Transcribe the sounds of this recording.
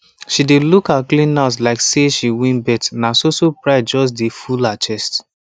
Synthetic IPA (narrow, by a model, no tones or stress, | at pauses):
ʃidelukhaklĩnats̬laɪkseʃiwĩnbɛtnasosopɹaɪd͡ʒɔs̬defulat͡ʃɛst